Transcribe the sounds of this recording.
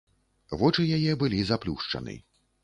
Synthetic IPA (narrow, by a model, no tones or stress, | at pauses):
vɔt͡ʂɨjajɛbɨlʲizaplʲuʂt͡ʂɐ̰nɨ̰